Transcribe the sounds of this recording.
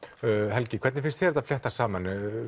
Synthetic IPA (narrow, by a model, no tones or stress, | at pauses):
ɦɛlcɪkʰvɛɾt̪nɪfɪnst̪θçɛɾt̪aflɛht̪asaːman